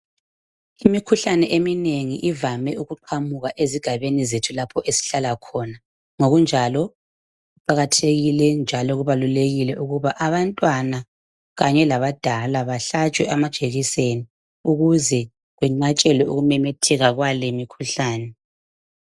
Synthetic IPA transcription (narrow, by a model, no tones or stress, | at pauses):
imikʰuɬanɛʔemineŋiʔivamɛuɣuǃʰamuɣaʔeziɡ̥ʱaβenizetʰulapʰɔʔesi̥ɬalakʰɔna | ŋoɣund͡ʒʱalɔ | ɣuǃaɣatʰeɣilɛnd͡ʒʱalɔɣuβaluleɣilɛʔuɣuβaʔaβantʼwana | ɣaɲɛlaβad̥ʱalaβaɬat͡ʃʼwɛʔamad̥ʒ̥ʱeɣiseni | uɣuzɛ | ɣwɛŋ͡ǀat͡ʃʼɛlwɛuɣumɛmɛtʰɛɣaɣwalemikʰuɬaːnɛ